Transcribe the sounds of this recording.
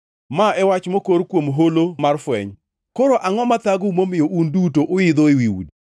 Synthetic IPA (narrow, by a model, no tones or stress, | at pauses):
maɛwat͡ʃmokoɾkwomɦolomarfwɛ̰ɲ | koɾoʔaŋɔmat̪aɡʊmomɪjoʔundutoʔʊɪd̪oiwiwṵd